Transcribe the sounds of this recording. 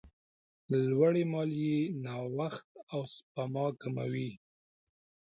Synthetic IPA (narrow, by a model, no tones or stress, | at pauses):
lwaɽemɑljenɑwaxt̪̚awspamɑkama̰wi